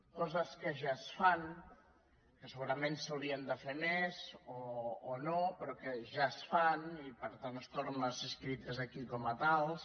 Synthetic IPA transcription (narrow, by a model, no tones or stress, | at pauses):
kɔzəskəʒasfan | kəsəɣuɾəmensawliənd̪əfemezoːnopɾɔkəʒasfanipəɾt̪anəst̪oɾnəzəskɾit̪əzəkikɔmət̪alˠs